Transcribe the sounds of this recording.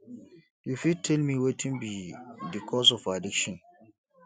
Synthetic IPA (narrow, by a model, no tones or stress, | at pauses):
jufid̚tʰɛlmiwetʰĩnbidikʰɔsɔfadikʃɔ̃n